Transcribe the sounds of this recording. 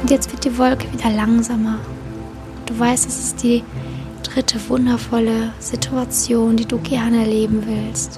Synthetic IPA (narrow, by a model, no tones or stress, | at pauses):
ʔʊntjɛt͡stv̥ɪɐt̚d̥iːvɔlkəviːdɐlaŋzaːmɐ | ʊnt̚d̥uːvaɪstɛsɪstd̥iː | d̥ʁɪtʰəvʊndɐfɔləz̥itʰuat͡sjoːndiːduːɡɛɐnɛɐleːbm̩vɪlst